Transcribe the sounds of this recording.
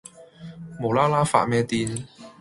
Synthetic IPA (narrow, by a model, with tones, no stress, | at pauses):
mo˨˩wlaː˥laː˥fa̰ː˧˨t̚mɛː˧t̪iː˧n